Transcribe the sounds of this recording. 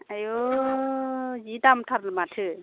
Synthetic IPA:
ajo | d͡ʒitamtʰaɾlmatʰɯ

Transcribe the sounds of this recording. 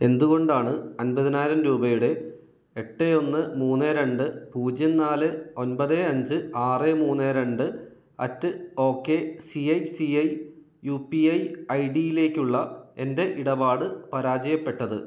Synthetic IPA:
e̞nd̪uɣo̞ɳɖaːɳɨɐnbɐðinaːɾɐmɾuːbɐjuɽe̞ | eʈːeo̞nːɨmuːnːeɾeɳɖɨpuːd͡ʑjɐnnːaːlɨo̞nbɐðeɐɲd͡ʑɨaːremuːnːeːɾe̞ɳɖɨ | ɐtːɨo̞ːkːe̞siɐjsiɐj | jupiɐjɐjɖijile̞ːkːuɭːɐe̞nde̞ʔiɽɐbaːɽɨpɐɾaːd͡ʑɐjɐpːe̞ʈːɐðɨ̰

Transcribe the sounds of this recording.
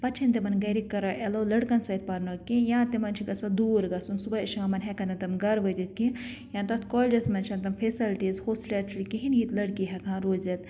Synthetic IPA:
pɐtt͡ʃʰint̪imɐnɡɐɾikːɐɾɐʔelɐwlɐɽkɐnsɐit̪̚pɐɾnɐkĩjãːt̪imɐnt͡ʃʰikɐsɐd̪uːɾɡɐsunsubɐiʃŋɐmɐnɦɛkɐnd̪ɐnt̪ɐmɡɐɾʋɐjt̪it̪̚ʰkĩ | jãnt̪ɐt̪ʰkɔld͡ʒɐsmɐnt͡ʃʰɐnt̪̬ɐmfʰesɐlʈizhoːslʲɐɾt͡ʃʰlikiɦinɦiːt̪lɐɽkiɦɐkʰãːɾoːzɐt̪

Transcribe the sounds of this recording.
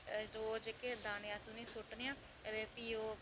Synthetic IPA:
ɾoːd͡ʒked̪aːnjãːsuːnĩːsʊʈnejãː | ed̪eːpiːoː

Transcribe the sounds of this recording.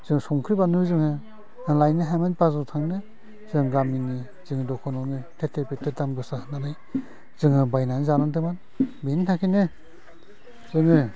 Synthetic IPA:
z̥ɯŋsɔŋkʰɾibanuzɯŋɯ | lajnɯɦamanpazɯtʰaŋnɯ | zɯŋɡamini | z̥ɯŋɯdɔkʰɔnɔnɯtʰetʰepetɯdamɡɯsahɯnanaj | z̥ɯŋɯbajnanzanɯndɯman | bintʰakʰinɯ | zɯŋɯ

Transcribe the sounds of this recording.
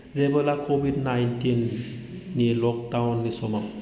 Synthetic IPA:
zebɔlakʰobidnajntinː | ilɔk̚dawnːisɔmam

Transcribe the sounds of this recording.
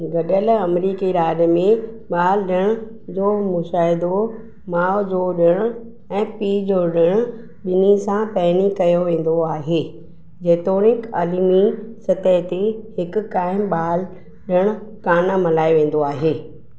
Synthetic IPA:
ɡɐɗəlɐmɾiːkiɾaːɗmẽ | ɓaːlɗɪɽ̃̆ | d͡ʑoːmʊʃaːɦɪd̪o | maːod͡ʑoːɗɪɽ̃ʊ | ɛ̃ːpiːd͡ʑoːɗɪɽ̃ʊ | ɓɪnisãpɛːnikɐjoʋẽːn̆d̪oaːɦeː | d͡ʑeːt̪oːnɪkaːliːmisɐt̪əɦt̪ehɪkʊ̆kaːɪmɓaːl | ɗɪɽ̃ʊ̆kaːnamɐlaːiʋẽːn̆d̪oaːɦeː

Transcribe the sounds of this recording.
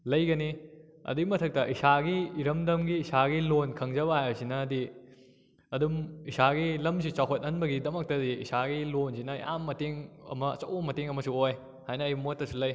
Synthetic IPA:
lɐjɡɐni | ɐ̰dimɐtʰɐk̚tɐʔisaɡiːɾɐmdɐmɡiːsaɡilonkʰɐŋzɐbɐajawsinɐːdi | ɐdumisaɡilɐmsit͡ʃawkʰɐt̚ɐnbɐɡidɐmɐk̚tɐdiḭsaɡilonsinɐja̰mːɐteŋɐ̰mɐ̰ːt͡ʃɐ̰wbɐmɐteŋɐmɐsuoj | hajnɐːjmotːɐsulɐj

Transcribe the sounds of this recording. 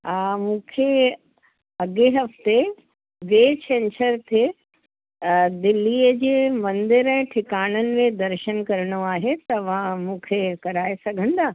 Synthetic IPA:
aːmũːkʰe | ɐɡeɦɐft̪e | ʋeːt͡ɕɛ̃ːnsəɾt̪ʰe | d̪ɪlːiːəd͡ʑeːmɐ̃nd̪ɪɾɛ̃ːʈʰɪkaːɽ̃ənɪ̆mẽd̪ɐɾʃənkɐɾəɽ̃oaːɦet̪ɐʋãmũːkʰekɐɾaːesɐɡʱə̃nd̪aː

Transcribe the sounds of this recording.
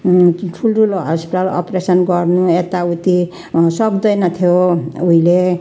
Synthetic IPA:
ʈʰulʈʰuloɦʌspiʈalʌ̰presʌnɡʌrnuet̪aut̪i | sʌkd̪ʌjnʌt̪ʰjouile

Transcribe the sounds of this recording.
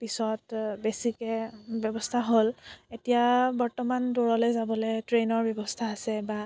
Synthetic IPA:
pisɔtbesikɛbjɔbɔstʰaɦoletijabɔɹtɔmandoɹɔlojzabɔlejtɹenɔɹbjɔbɔstʰaːsɛba

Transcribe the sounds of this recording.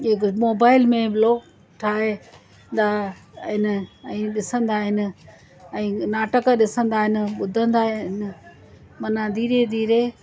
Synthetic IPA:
ɦɪkmoːbaːɪlmẽbloːɡ | ʈʰaːɦe | nd̪aː | ɦɪnɪ̆ɛ̃ːɗɪsə̃nd̪aːɦɪnɪ̆ | ɛ̃ːnaːʈəkɗɪsə̃nd̪aːɦɪnɪ̆ɓʊd̪ʱə̃nd̪aːɦɪnɪ̆ | mɐnãd̪ʱiːɾed̪ʱiːɾe

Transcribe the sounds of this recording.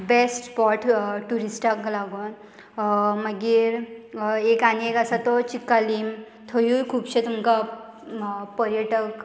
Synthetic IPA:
besʈpɔɾʈʈuɾisʈaklaɡon | məɡiɾ | ekanekasat̪ɔt͡ɕikːalim | t̪ʰojukʰuːbt͡ɕʰet̪umka | pəɾjəʈək

